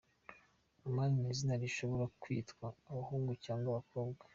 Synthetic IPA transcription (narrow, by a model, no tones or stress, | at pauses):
amaːninizinaɾiʃo̞βo̞ɾakwḭːtkwaːβahuːŋɡucaːŋɡaβako̞ːbɡa